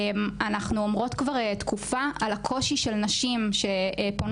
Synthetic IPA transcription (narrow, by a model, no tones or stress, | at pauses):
manaχnuomʁo̞t̪kvaʁetkʰufaʔalakʰo̞ʃiʃelnaʃimʃe̞pon